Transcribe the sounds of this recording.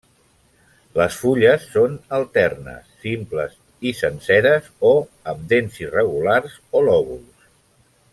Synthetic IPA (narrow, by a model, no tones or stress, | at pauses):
ləsfuʎəsːonəlˠt̪ɛrnə̰sːimplə̰z | isənsɛɾəzoəmd̪enzirəɣularzolɔɣuls